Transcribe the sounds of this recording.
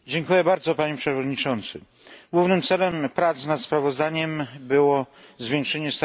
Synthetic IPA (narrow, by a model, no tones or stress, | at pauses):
d͡ʑɛŋkujɛbaɾd̪zɔpaɲɛpʂɛvɔd̪ɲit͡ʂɔnt̪sɘ | ɡwuvnɘmt̪sɛlɛmpɾat̪snat̪spɾavɔzd̪aɲɛmbɘwɔzvʲjɛ̃ŋkʂɛɲɛst̪